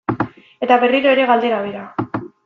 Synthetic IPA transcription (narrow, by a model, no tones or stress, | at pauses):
e̞t̪aβe̞riɾo̞e̞ɾe̞ɣald̪e̞ɾaβeɾa